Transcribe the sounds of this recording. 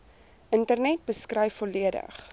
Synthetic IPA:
ʔəntərnɛt̚bəskrɛjfɔliədə̰χ

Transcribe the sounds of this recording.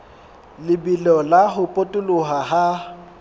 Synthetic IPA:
lɪbilɔlaɦʊpʼotʼʊlʊɦaɦa

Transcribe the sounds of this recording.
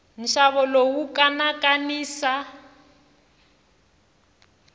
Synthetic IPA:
n̩ʃaβɔlowukʼanakaniːsa

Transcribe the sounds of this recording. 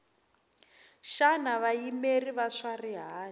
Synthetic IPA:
ʃanaβajimeriβaʂariɦaː

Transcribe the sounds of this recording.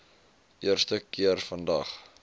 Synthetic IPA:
ʔiərstəkiərfəndɐχ

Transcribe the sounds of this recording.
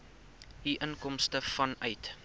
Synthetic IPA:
ɦiʔənkɔmstəfɐnœɥt

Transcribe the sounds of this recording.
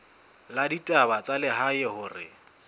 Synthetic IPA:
laditʼabat͡sʼalɪɦaɪhʊːrɪ̰

